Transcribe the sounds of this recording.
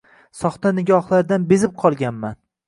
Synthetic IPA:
sɒχt̪anɪɡʲɒhlˠaɾd̪anbezɪp̚qʰɒlˠɡʲanman

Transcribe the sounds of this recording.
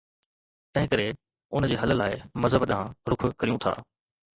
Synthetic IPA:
t̪ɐ̃ɦɪ̃kəɾe | ʊnd͡ʑeːɦɐləlaːɪmɐzɦəbɗɦãɾʊkʰʊkɐɾijũt̪ʰa̰ː

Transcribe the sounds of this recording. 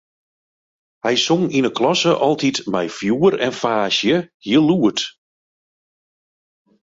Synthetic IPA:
hɛjsoŋinəklɔsəʔɔlˠtitmɛjfjuəɾɛnfaːsjəhiəluət

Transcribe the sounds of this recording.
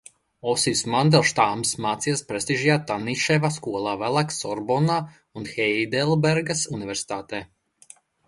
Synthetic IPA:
ɔsiwsmand̪ɛlˠʃt̪aːmsmaːt̪sijaspɾest̪iʒijaːt̪aniʃɛvaskuɔlˠaːvælˠaksɔɾbɔna | unxɛjd̪ɛlˠbɛɾɡasunivɛɾsi̥t̪aːt̪ɛː

